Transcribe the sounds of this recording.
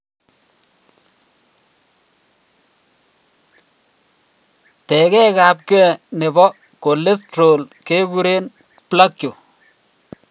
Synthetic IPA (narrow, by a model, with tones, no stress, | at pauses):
tɛ˨kɛ˦ka˨p̚kɛ˦ɛ˦˨ne˨bɔ˦ | ko˨le˦stɾo˨lke˦bu˦ɾe˦n | pla˦kjo˨